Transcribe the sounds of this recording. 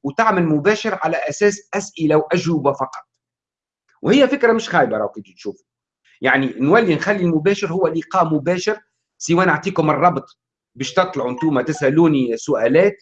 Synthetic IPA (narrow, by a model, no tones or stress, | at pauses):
wt̪aʕmɪlmʊbæːʃɪɾʕalæʔæsɛːsʔæsʔɪlawʔæʒʊbafɑqɑ̥t̪ˤ | whɪjːæfɪkɾamɪʃxæːjbaɾˤɑwkɪnt̪ut̪ʃuːf | jaʕninwælːinxælːilmʊbæːʃɪɾhʊwːæliqɑːʔmʊbæːʃɪɾ | siwːæːnaʕt̪ˤiːkʊmɨrˤːɑbt̪ˤ | bɛːʃt̪ɨt̪ˤlʊʕunt̪uːmat̪ɪsʔæluːnisʊʔæːlæːt̪̚